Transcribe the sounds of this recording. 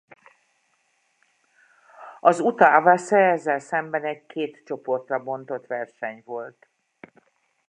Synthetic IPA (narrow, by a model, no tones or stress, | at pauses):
ɒzut̪aːvasɛɛzːɛlsɛmbɛnɛɟkʰeːt̪t͡ʃo̞po̞rt̪rɒbo̞nt̪o̞t̪ʋɛrʃɛɲvo̞lt̪